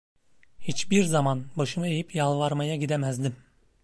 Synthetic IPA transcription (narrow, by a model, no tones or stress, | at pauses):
hit͡ʃbiɾzamanbaʃɯmɯejipʰjalˠvaɾmajaɟid̪emæzd̪im